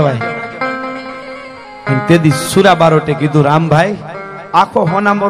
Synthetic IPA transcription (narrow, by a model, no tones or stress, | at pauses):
ʋaj | kint̪ed̪isuɾabaɾɔʈeɡid̪uɾambʱaj | akʰɔɦɔnamɔ